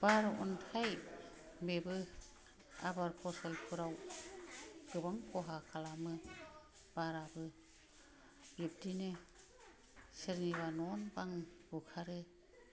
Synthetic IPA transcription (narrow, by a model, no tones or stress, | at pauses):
b̥aɾaʔɔntʰaj | mebɯ | a̰baɾpʰɔsalkʰɯɾaw | ɡ̥ɯbaŋkʰɔɦakʰalamɯ | b̥aɾabɯ | b̥ip̚dinɯ | seɾniβanɔnbaŋbukʰaɾɯ